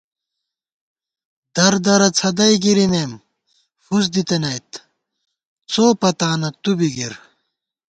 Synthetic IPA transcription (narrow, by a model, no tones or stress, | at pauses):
d̪̥ɐɾd̪ɐɾɐt͡sʰɐd̪ɐjɡiɾineːm | fus̬d̪it̪ɐnɐjt̪ | t͡sʰoːpɐt̪aːnɐt̪ubiɡiɾ